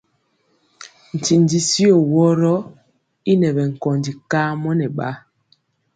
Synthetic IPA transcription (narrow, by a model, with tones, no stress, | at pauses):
n̩˨ti˨n˨di˨˦si˦o˨wɔ˦ɾɔ˦ | i˦nɛ˨bɛ˨ŋ̩˨kɔ˨ndi˨ka˦mɔ˦nɛ˨ɓa̰˦